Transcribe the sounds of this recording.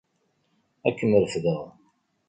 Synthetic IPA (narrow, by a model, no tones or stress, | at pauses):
ækːəməɾəfðəʁ